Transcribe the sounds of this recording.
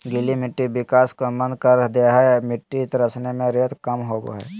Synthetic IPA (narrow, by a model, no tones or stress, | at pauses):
ɡɪlimɪʈːibɪkaːskomə̃nd̪kəɾd̪eaɦɛmɪʈːit̪ɾəsnemẽɾeːt̪kəmɦoːɡo̰ɦɛ̰ː